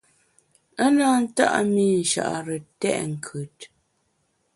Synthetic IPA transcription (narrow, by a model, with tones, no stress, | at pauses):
ə˦na˦n̩˦ta̰˦ʔmi˦˨n̩˨ʃa̰˨ʔa˨ɾə˨tɛ̰˦ʔŋ̩˨kʰʉ˨t̚